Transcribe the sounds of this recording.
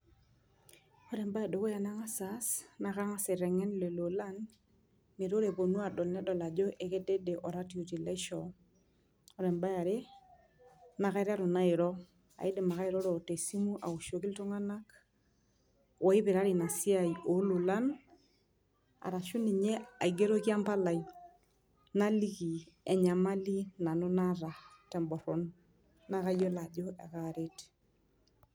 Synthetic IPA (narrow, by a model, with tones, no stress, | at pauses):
ɔ˦ɾɛ˨mba˦ja˨do˨ko˦ja˨na˦ŋa˦sa˨sna˨ka˦ŋa˦se˨ɾɛ˨ŋɛ˦nle˨lo˨la˦n | me˨ɾo˦ɾe˨bo˨nwa˦˨dɔ˨lnɛ˦dɔ˨la˨d͡ʒɔ˦ʔe˨ke˦de˦de˨ʔɔ˨ɾa˦ti˨o˨ti˨lɛ˦ʃɔ˨ | ɔ˨ɾɛ˨mba˦ja˨ɾe˦ | na˨ka˦i˦ɾa˦ɾo˨na˦ɪ˨ɾɔ˦ | a̰˨i˦de˨ma˨ka˦i˦ɾɔ˦ɾɔ˨te˨si˦mu˦ʔa̰˨u˨ʃo˨ki˦lto˦ŋa˦na˦k | wʔɔ˨˦i˦βe˨ɾa˦ɾi˨na˨si˦aiʔo˨˦lu˨la˦n | a̰˨ɾa˨ʃo˦ni˨ɲɛ˦a˨iɡe˦ɾo˦kja˦mpa˦la˨i | na˦li˦ɣi˨ɛ˨ɲa˨ma˦li˦na˨no˦naɾa˨tɛ˨mbɔ˨ɾo˨n | na˦ɣa˦jɔ˦la˨ʄo˦ʔɛ˨ɣaɾet